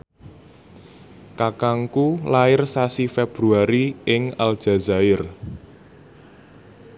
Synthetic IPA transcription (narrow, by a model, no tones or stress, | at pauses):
kakaŋkulaɪrsasifeb̥ɾuaɾiɪŋald̥ʒ̥a̤za̤ɪr